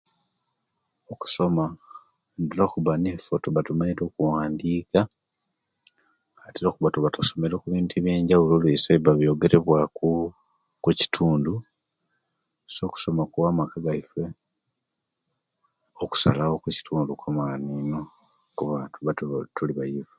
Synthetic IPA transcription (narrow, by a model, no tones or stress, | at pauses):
oku̥so̞ma | ndiɾokuβanefotuβatumaɲiɾo̞ːkuwaːndiːka | atiɾokuβatuβatuso̞me̞ɾokuβiːntuiβje̞ːɲɟawuloːlwiseβaβjo̞ɡe̞ɾe̞βwaku | kuci̥tʰuːndu | so̞ːku̥so̞makuwamakaɡaife | oku̥sa̰lawokuci̥tʰuːndukamanino | kuβaːtuβatutuliβajive